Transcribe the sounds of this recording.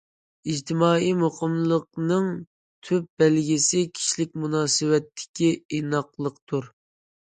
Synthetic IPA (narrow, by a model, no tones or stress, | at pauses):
id͡ʒt̪ʰɪmɑːimoqəmlˠəq̚nɨŋ | t̪ʰyp̚b̥ɛlɡʲisɪkʲʰi̥ʃlɪk̚ʲmunɑːsɨwɛt̪ʰːɪ̥kʲiinɑqlˠəqt̪ʰuɾ